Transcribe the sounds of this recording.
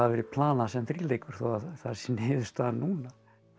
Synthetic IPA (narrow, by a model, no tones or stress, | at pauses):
aðvɛːɾɪpʰlaːnasɛmθɾiːleːjkʏɾ̥θɔ̰aθḁsnɪːðʏst̪anːuːna